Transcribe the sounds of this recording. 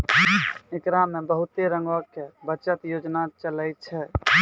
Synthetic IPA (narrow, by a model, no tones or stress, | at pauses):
ekɾamebəɦut̪eɾə̃ŋɡəkebətːt͡ʃət̪jod͡ʒnat͡ʃələjt̪̚t͡ʃʰɛ